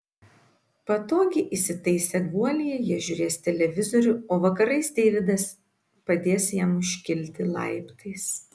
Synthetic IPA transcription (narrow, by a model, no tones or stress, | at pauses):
pɐt̪oːɡʲɪʔisʲɪt̪ɐɪsʲɛɡuɔlʲɪjɛjiɛʒʲʊɾʲeːst̪ʲɛlʲɛʋʲɪzɔɾʲʊoːʋɐkɐɾɐɪsd̪ʲɛːʋʲɪd̪ɐs | pɐd̪ʲeːsjæːmʊʃʲkʲɪlʲt̪ʲɪlˠɐ̰ɪpt̪ɐɪs